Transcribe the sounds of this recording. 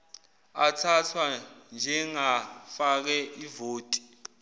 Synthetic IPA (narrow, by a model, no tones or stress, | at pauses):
atʰatʰwand͡ʒʱɛŋafak̬ɛʔivoːtʼi̥